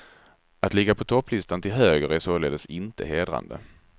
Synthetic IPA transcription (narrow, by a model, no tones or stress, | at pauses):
at̪lɪɡːapʰɔt̪ʰɔpːlɪst̪ant̪ʰɪlɦøːɡəɾæsoːleːd̪əsɪnt̪ʰə̰ɦeːd̪ɾa̰nd̪ə̰